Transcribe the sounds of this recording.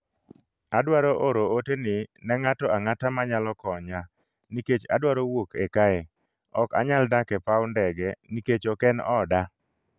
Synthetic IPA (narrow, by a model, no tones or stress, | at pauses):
adwaɾoʔoɾootenɪnɛŋatɔʔaŋatamaɲalɔkɔɲa | niket͡ʃa̰dwaɾowokʰɛkae | ɔka̰ɲaldakɛpawndɛɡɛniket͡ʃɔkɛnɔ̰da